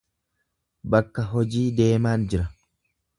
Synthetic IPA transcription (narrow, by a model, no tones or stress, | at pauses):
bɐkːɐɦɔd͡ʒiːd̪eːmaːnd͡ʒɪɾɐ